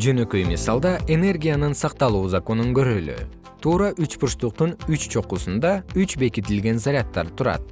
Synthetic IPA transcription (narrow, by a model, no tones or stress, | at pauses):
d͡ʒø̞nø̞kø̞jmisɑlˠd̪ɑʔe̞ne̞rɡʲijanɯnsɑq̚t̪ɑlˠuːzako̞nuŋɡø̞ɾøːlø̰ | t̪ʰuːɾɑʔyt͡ʃpʰuʃt̪uq̚t̪unyt͡ʃt͡ʃʰo̞qusund̪ɑyt͡ʃbe̞kit̪ilɡe̞nzaɾʲɪat̪ːɑ̰ɾt̪ʰuɾɑ̰t̪̚